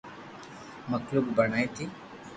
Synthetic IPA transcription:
məkluːk̚bəɳ̃ajt̪ʰi

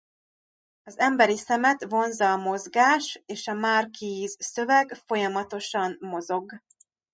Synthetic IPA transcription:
ɒzɛmbɛɾisɛmɛt̪vo̞nzɒːmo̞zɡaːʃeːʃɒmaːrkiːzsø̞vɛɡfo̞jɒmɒt̪o̞ʃɒmːo̞zoɡ

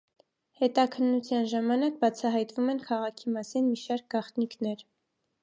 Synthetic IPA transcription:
hɛt̪ɑkʰənːut͡sʰjɑnʒɑmɑnɑk̚bɑt͡sʰɑɦɑjt̪vumɛnkʰɑʁɑkʰimɑsinmiʃɑɾk̚ɡɑχt̪niknɛɾ

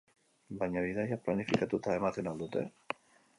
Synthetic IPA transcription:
baɲaβiðajaplanifikat̪ot̪aemaθenald̪ut̪ḛ

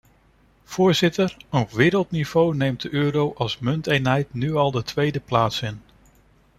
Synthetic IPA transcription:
v̥ʊːɹzɪtəɹəʋɪːɾəlˠtniv̥ownejmt̚dəʔøːɾowʔɑlˠsmɵntejnɦɛjtnyɑlˠdətʋejdəplaːtsɪn

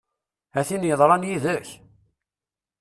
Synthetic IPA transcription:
æθinjəðˤɾˤɑnjiðəç

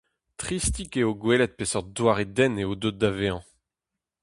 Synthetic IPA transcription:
t̪χist̪ikeoɡwelɛt̪̚pesœʁd̪waʁed̪ɛneod̪ot̪̚d̪aveɑ̃

